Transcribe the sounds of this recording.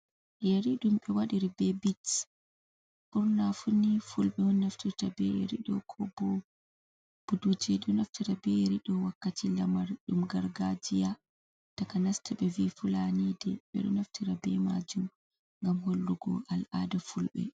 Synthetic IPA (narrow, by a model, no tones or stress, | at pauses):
jeɾiɗumɓɛwaɗiɾibɛbit | ʔuɾnafunifulɓɛɔnnaftitabɛ̰ɾiɗɔkʰɔbɔ | b̥udud͡ʒiɗɔnaftiɾabɛɾiɗɔwakːatilamaɾɗumɡaɾɡad͡ʒija | takanastʰiɓɛvifulanidɛɓɛ̰ɗɔnaftiɾabɛmad͡ʒum | ŋɡamholːuɡɔ̰ʔalʔadafulɓɛ̰